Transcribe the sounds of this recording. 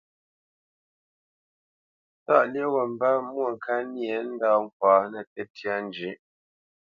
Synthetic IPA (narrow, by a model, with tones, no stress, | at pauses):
ta̰˦˨lje˦wɔ˨m̩˦ba˦mwo˦˨ŋ˨kʰa˦nje˨˦n̩˦da˦˨ŋ̩˦˨k̚waː˨˦nɛ˨tɛ˦tja˦n˦d͡ʒi˨˦